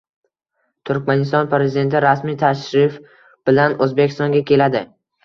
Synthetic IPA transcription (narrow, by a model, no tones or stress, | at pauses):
t̪ʰʊɾkʲmanɪst̪ɒnpɾezɪd̪e̞nt̪ɪɾasmijt̪ʰaʃɾɪf | b̥ɪlanɵzbekʲʰɪst̪ɒŋɡʲakʲʰe̞lad̪ɪ